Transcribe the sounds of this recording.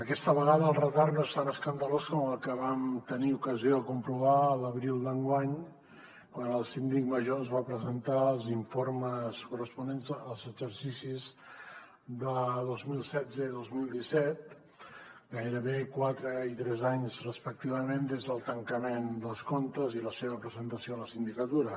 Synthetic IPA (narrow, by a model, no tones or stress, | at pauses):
əkɛst̪əβəɣaðəːlˠrət̪aɾnoest̪anəskənd̪əloskɔməlˠkəβamt̪əniukəzioəkumpɾuβaələβɾilˠd̪əŋɡwaɲ | kwanəlˠsind̪ik̚məʒozβapɾəzənt̪alˠziɱfoɾməskurəspunenzəlˠzəɡzəɾsisiz | d̪əðozmilˠsɛd͡zəiðozmilˠd̪isɛt̪̚ | ɡajɾəβekwat̪ɾəit̪ɾɛzaɲzrəspək̚t̪iβəmẽnd̪ezðəlˠt̪əŋkəmend̪əlˠskont̪əziləseβəpɾəzənt̪əsioələsind̪ikət̪uɾə